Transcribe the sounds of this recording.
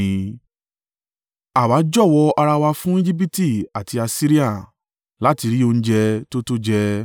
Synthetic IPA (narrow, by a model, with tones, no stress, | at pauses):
ĩ˨˦ | a˨wa˨˦d͡ʒɔ˦˨wɔ˧ʔa˧ɾa˧wa˧fũ˦i˦d͡ʒi˦p̬i˦ti˦˨a˨ti˧a˧si˦ɾi˦a˦˨ | la˨˦ti˧ɾi˦o˧ñ̩˦d͡ʒɛ˧to˦to˦d͡ʒɛ˧